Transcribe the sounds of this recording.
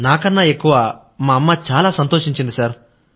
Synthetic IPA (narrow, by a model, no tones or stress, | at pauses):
naːkɐnːaːe̞kːuʋaː | maːɐmːaːt͡ʃaːlaːsɐnt̪oːʂiɲt͡ʃind̪isaːɾ